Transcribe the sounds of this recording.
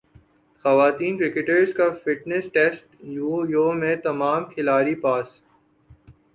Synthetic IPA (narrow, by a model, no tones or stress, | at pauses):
xɐʋaːt̪iːnkɾɪkɪʈəɾzkafɪʈnɛsʈeːsʈjujoːmẽt̪ɐmaːmkʰɪlaːɾipaːs